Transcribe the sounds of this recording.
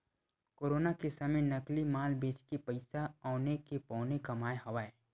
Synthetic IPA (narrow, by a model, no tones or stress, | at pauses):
koːɾoːnakesɐmənɐklimaːlbeːt͡ʃkipɐɪsaɔːnekepɔ̃ːnekɐmaːeɦɐʋaːe